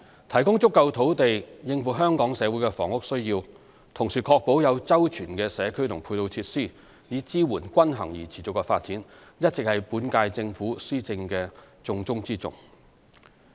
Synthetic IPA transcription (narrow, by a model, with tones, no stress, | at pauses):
t̪ʰɐ˨˩jkʊ˥ŋt͡sʊ˥kːɐ˧wt̪ʰo˨˥wt̪e˨jjɪ˧ŋfuː˨˩ɦœː˥ŋkɔː˨˥ŋsɛː˨˧wuː˨˥jkɛ˧fɔ̰ː˨˩ŋʊ˥k̚sɵ˥ɥjiː˧w | t̪ʰʊ˨˩ŋsiː˨˩kʰɔː˧k̚po˨˥wjɐ˨˧wt͡sɐ˥wt͡ʃʰyː˨˩nkɛː˧sɛː˨˧kʰɵ˥ɥt̪ʰʊ˨˩ŋpʰuː˧jt̪o˧wt͡sʰiː˧t̚siː˥˩ | jiː˨˥t͡siː˥wuː˨˩nkʷɐ˥nɦɐ̰˨˩ŋjiː˨˩t͡sʰiː˨˩t͡sʊ˨kːɛ˧faː˧t̚t͡siː˨˥n | jɐ˥t̚t͡sɪ˨k̚hɐ˨jpuː˨˥nkaː˧jt͡sɪ˧ŋfuː˨˥siː˥t͡sɪ˧ŋkɛː˧ | t͡sʊ˧ŋt͡sʊ˥ŋt͡siː˥t͡sʊ̰˨˩ŋ